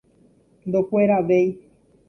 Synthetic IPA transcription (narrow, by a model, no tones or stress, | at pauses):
nd̪opweɾaʋej